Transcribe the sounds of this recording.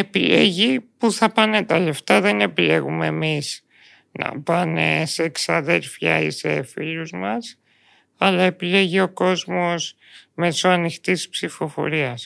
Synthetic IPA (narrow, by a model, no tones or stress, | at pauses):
e̞pile̞̰ʝipuθɐpɐne̞t̪ɐle̞ft̪ɐðe̞ne̞pile̞ɣume̞ːmiz | nɐ̰pɐnḛseːksɐðe̞lfçɐ̰ḭse̞̰filuzmɐs | ɐlɐe̞pile̞ʝio̞ko̞zmo̞z | me̞so̞ɐnixt̪ispsifo̞fo̞̰ɾiɐs